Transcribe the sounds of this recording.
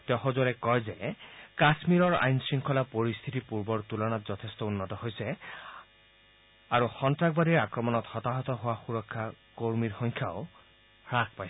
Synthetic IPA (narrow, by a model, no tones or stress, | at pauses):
tɛxɔzɔlɛkɔjzɛkasmiɹɔɹa̰jnsɹiŋkʰɔlapoɹist̪ʰitipuɹbɔɹtulɔnatzɔtʰestɔunːɔtɔɦojsɛ | aɹuxɔntɹaɡbadiɹakɹɔmɔnɔtxɔtaɦɔtɔɦʊwaxuɹɔkʰːakoɹmiɹxɔŋkʰaoʊ | ɹak̚ʰpajs